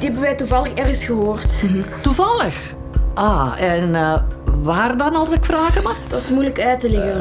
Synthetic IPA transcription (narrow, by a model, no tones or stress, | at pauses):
dhɛbənʋɛjtuvɑlˠəxɛrɣəsxəɦoːrttuvɑləx | ʔaːɛn | ʋaːrdɑnɑlˠsɪkfraːɣəmaxd̥ɑsmujləkœːtəlɪɣən